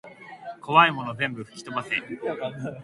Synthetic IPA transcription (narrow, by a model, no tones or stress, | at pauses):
kʰo̞βaimo̞nozẽ̞mbɯ̟ɸɯ̟̥kʲi̥t̪o̞base